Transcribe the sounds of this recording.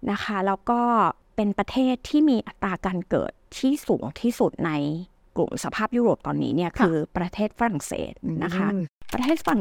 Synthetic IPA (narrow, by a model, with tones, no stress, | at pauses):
na˦˥kʰa˦˥lɛː˦˥wkɔː˥˩ | pe˧npɾa˧t̪ʰeː˥˩t̪ʰːiː˥˩miː˧ʔa˨˩t̪ɾaː˧kaː˧nkɤ̰ː˨˩t̪ʰːiː˥˩suː˩˦ŋt̪ʰiː˥˩su˨˩t̪̚na˧j | klṵ˨˩msa˧pʰaː˥˩p̚juː˥ɾoː˨˩p̚t̪ɔː˧nːḭː˦˥ni˥˩ɐkʰɯː˧pɾa˧t̪ʰeː˥˩t̪̚fa˧ɾa˨˩ŋsḛː˨˩t̪̚na˦˥kʰa˦˥pɾa˧t̪ʰeː˥˩t̪̚fa˧ɾa˨˩